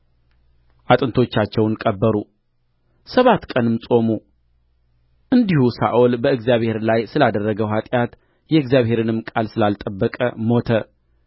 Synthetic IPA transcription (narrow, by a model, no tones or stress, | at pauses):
ʔat̪ʼɨnt̪ʰo̞t͡ʃːat͡ʃːɛwnkʼəbːəɾu | səβat̪kʼənɨmsʼo̞mu | ʔɨnd̪ihusa̰ʔolbəɨɡzjaβhe̞ɾlajsɨlad̪ərːəɡəwɦat̪ʼjat̪ | jɛɨɡzjaβhe̞ɾɨnɨmkʼalsɨlalt̪ʼəbːəkʼə̰mo̞t̪ʰə